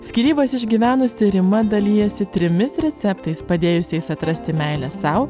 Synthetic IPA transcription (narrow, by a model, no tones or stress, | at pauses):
sʲkʲiɾʲiːbɐsɪʒʲɡʲiʋʲæːnʊsʲɪɾʲɪmɐd̪ɐlʲiːjɛsʲɪt̪ʲɾʲɪmʲɪsɾʲɛt̪sʲɛpt̪ɐɪspɐd̪ʲeːjʊsʲɛɪsɐt̪ɾɐsʲt̪ʲɪmʲæɪlʲɛsɐʊ